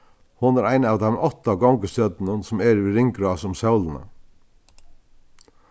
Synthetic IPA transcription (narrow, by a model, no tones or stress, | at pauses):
hʊnæɾæɪnɑːʋd̪ɛmʔɔt̪aɡɔŋkəst̪œd̪nənsɔmɛɾʋiɾɪŋkɾɑːsʊmsɑwlənə̰